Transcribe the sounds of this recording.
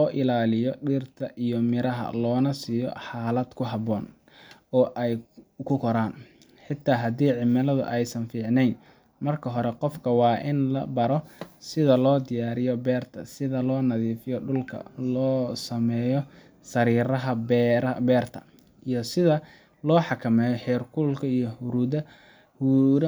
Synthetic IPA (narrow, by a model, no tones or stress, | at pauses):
lɔːʔɪlaːlɪjɔɖiːrt̪ʰɐʔijɔmɪɾɐɦɐ̰lɔːnɐsiːjɔ̰ħaːlɐd̪̥kʰʊɦɑβɔːn | ɔːʔɛjkʰʊkʰɔɾaːn | ħɪt̪ʰːaːɦɐd̪iːʕɪmɐlɐðʊ̰ʔɛjsɐnfiːʕnɛjn | mɐrkʰɐɦɔɾɛqɔfkʰɐwɑːʔɪnlɐ̰bɐɾɔsɪðɐlɔːd̪ɪjaːɾɪjɔbɛːrt̪ʰɐ̰sɪðɐlɔːnɐðiːfɪjɔɖʊlkʰɐ̰lɔːsɐmɛːjɔ | sɐɾiːɾɐɦɐbbɛːrt̪ʰɐ̰ | ijɔsɪðɐ | lɔːħɑkʰɐmɛːjɔħɛːrkʰʊlkʰɐijɔhʊɾuːðɐ | huɾ